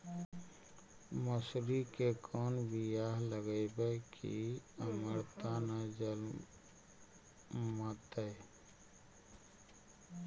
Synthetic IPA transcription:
məsɾikekʰɔnbijaɦləɡəɪbəkʰḭəməɾt̪anad͡ʒəl | mət̪ə

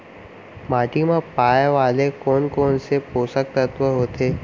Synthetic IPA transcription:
maːʈimãpaːjʋaːlekɔːnkoːnsepoːsək̚t̪ət̪ʋəɦoːt̪eː

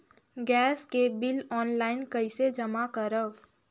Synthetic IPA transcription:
ɡɛːskebɪlɔːnlaːɪnkəɪsed͡ʒəmakəɾəb

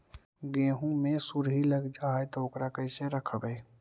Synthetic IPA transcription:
ɡeːɦũmẽsuɾɦiləɡd͡ʒaːet̪oʊkɾakəɪseɾəkʰbəe

